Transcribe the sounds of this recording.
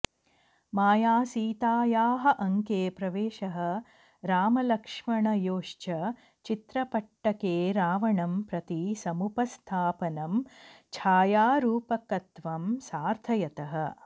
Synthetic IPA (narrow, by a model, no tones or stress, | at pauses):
maːjaːsiːt̪aːjaːɦɐ̆ʔɐŋkeːpɾɐʋeːʃɐɦɐ̆ | ɾaːmɐlɐkʂmɐɳɐjoːʂt͡ʃɐ | t͡ʃit̪ɾɐpɐʈːɐkeːɾaːʋɐɳɐmpɾɐt̪isɐmupɐst̪ʰaːpɐnɐmt͡ʃʰaːjaːɾuːpɐkɐt̪ʋɐmsaːɾt̪ʰɐjɐt̪ɐɦɐ̆